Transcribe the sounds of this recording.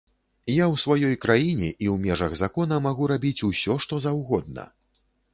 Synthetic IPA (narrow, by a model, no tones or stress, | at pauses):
jawsvajɔjkɾajinʲɛʔiwmʲɛʐɐɣzakɔnɐmaɣuɾabʲit͡sʲusʲɔʂt̪ɔzawɣɔd̪̚nɐ̰